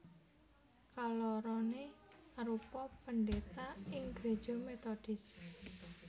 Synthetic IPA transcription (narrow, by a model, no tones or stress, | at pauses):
kalɔɾɔneaɾupɔpənɖet̪aɪŋɡɾe̤̥d͡ʒ̥ɔ̤met̪ɔɖ̥ɪs